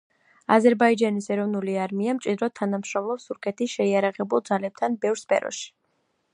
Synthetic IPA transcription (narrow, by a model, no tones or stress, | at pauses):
azɛɾbaid͡ʒanisɛɾɔvnuliaɾmiamt͡ʃʼid̪ɾɔt̪ʰanamʃɾɔmlˠɔpst̪ʰuɾkʰɛt̪ʰisʃɛiaɾaʁɛbulˠd̪zalɛb̚t̪ʰanbɛvɾspʰɛ̰ɾɔ̰ʃi̥